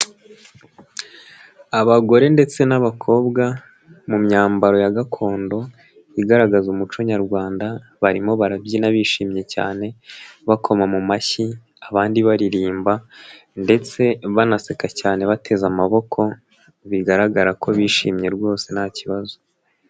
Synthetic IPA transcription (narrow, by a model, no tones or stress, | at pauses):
aβaɡo̞ɾe̞nde̞t͡se̞naβakʰo̞ːbɡa | mumɲaːmbaɾo̞jaɡakʰo̞ːndo̞ | iɡaɾaɡazumut͡ʃoɲaɾɡwaːnda | βaɾimo̞βaɾabjinaβiʃiːmɲe̞ca̰ːne̞βakʰo̞mamumaçi | aβaːndiβaɾiɾiːmba | nde̞t͡se̞βanase̞kacaːne̞βatʰe̞zamaβo̞kʰo̞ | βiɡaɾaɡaɾakʰo̞βiːʃḭːmɲe̞ɾɡwo̞ːse̞naciβazo